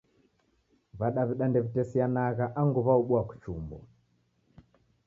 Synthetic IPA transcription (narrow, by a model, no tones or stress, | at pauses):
βaɗaβiɗandɛβitɛsianaɣaʔaŋɡuβauɓwaku̥t͡ʃumbɔ̰